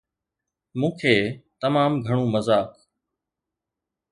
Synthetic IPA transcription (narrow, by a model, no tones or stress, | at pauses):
mũːkʰeːt̪əmaːmɡʱəɳ̃ũːməzaːk